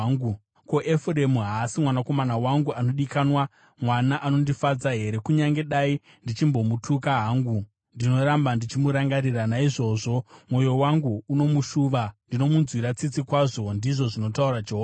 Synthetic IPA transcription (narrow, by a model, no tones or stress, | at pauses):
u | ko̞ʔefre̞muɦaːsimwanako̞manawaŋɡuano̞ɗikanwa | mwanaʔano̞ndifad͡zaɦe̞ɾe̞kuɲaŋɡe̞ɗai | ndit͡ʃimbo̞mutʰukaɦaŋɡu | ndino̞ɾambandit͡ʃimuɾaŋɡaɾiranaiʐo̞ʐo̞mwo̞jo̞waŋɡuːno̞muʃuːʋandino̞munzwiɾat͡sit͡sikwaʐo̞ndiʐo̞ʐino̞tauɾad͡ʒeɦoa